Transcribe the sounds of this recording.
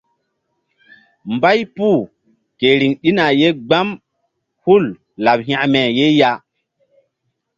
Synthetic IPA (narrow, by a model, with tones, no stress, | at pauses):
mba˦jpu˦˨ | ke˨ɾi˨ŋɗi˦na˨je˦ɡ͡ba˦m | hu˦˨l | la˨bɦã˨mɛ˨je˦ja˦